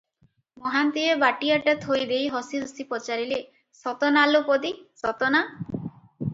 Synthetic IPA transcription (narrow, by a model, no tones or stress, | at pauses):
mɔɦant̪iebaʈiaʈat̪ʰojd̪ejɦɔsiɾusipɔt͡ʃaɾile | sɔt̪ɔnalupɔd̪isɔt̪ɔna